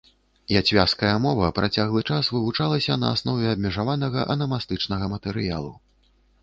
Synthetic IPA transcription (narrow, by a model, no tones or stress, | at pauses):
jat͡sʲvʲaskɐjɐmɔvɐpɾat͡sʲaɣlˠɨt͡ʂasvɨvut͡ʂalˠɐsʲɐnɐ̰asnɔvʲɛɐbʲmʲɛʐavanɐɣɐʔɐnɐmast̪ɨt͡ʂnɐɣɐmɐt̪ɛɾɨja̰lˠu